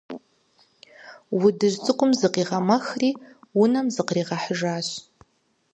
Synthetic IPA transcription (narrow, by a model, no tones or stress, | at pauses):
widɨʒt͡sʼɨqʷʼʊmzɨqiʁɐmaxriːwʊnɐmzɨqriːʁɑħəʒaːɕ